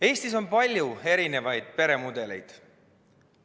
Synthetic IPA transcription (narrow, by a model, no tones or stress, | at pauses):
e̞ːst̪iso̞npɑlʲjue̞ɾine̞vɑjd̪̥̚pe̞ɾe̞mud̪̥e̞le̞̰jd̪̥